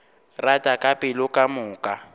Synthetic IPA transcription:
ratʼakʼapʼɪlʊkʼamʊːkʼa

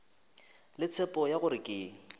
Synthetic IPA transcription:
lɪt͡sʰɛpʼɔjaɣʊɾɪkʼeːŋ̩

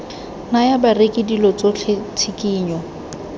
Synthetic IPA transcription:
najabarekʼɪdilɔt͡sot͡ɬʰet͡sʰɪkʼiːɲɔ

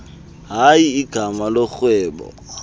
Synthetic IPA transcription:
ɦaiːɡ̥ʱamalok͡xwɛːbɔ̰

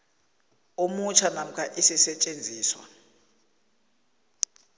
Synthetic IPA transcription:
omut͡ʃʰanam̩kʰaʔisisɛt͡ʃʼend͡zʱiːswa̰

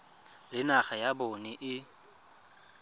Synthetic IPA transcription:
lɪnaχajabonɪʔɪ

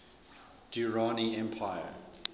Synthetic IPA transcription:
d̥uɹɔniɛ̃mpʰajə

